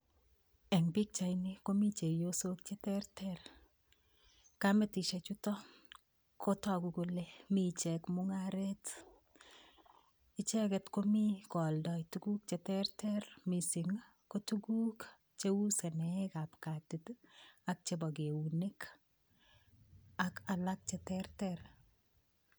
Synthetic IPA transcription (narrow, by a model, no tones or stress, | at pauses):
ɛŋbik̚t͡ʃajnekomit͡ʃejosok̚t͡ʃetɛrtʰɛr | kametiʃet͡ʃutɔ | kʰotɔkukulemit͡ʃɛkmuŋaɾet | ɪt͡ʃɛkɛtkomikɔldɔjtuɡuk̚t͡ʃetɛrtʰɛrmisiŋa | kotuɡuk | t͡ʃeusenɛkapkatitak̚t͡ʃebɔɡeunek | akalak̚t͡ʃetɛrtɛɾ